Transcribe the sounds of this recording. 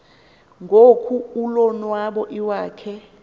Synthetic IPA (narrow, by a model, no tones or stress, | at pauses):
ŋɡʱokʰuulɔnwaɓɔʔiwaːkʰɛ